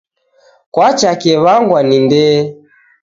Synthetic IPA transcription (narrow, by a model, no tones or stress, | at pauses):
kwat͡ʃakɛβaŋɡwanindɛ